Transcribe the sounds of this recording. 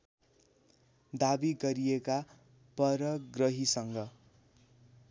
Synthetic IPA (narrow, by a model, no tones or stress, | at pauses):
d̪abiɡʌɾijeka | pʌɾʌɡrʌɦisʌŋɡʌ